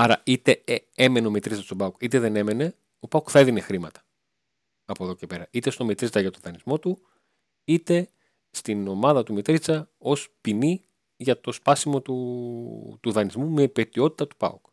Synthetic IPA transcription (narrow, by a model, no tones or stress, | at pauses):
ɐɾɐit̪e̞ee̞me̞neo̞met̪ɾit͡sɐst̪obɐukit̪e̞ðe̞ne̞me̞ne̞ | o̞pɐukθɐeðine̞xɾimɐt̪ɐ̥ | ɐpoeðoce̞pe̞ɾɐit̪est̪o̞met̪ɾit͡sɐʝɐt̪oðɐnizmo̞t̪u | it̪e̞ | st̪ino̞mɐðɐt̪umet̪ɾit͡sɐ | o̞spini | ʝɐt̪o̞spɐsimo̞t̪u | t̪uðɐnizmume̞pe̞t̪io̞t̪i̥t̪ɐt̪u̥pɐ̰uk